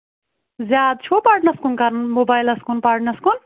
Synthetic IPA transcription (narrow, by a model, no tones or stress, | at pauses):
zad̪̚t͡ʃʰopaɾʈnɐskunkaɾnmobajlɐskunpaɾʈnɐskun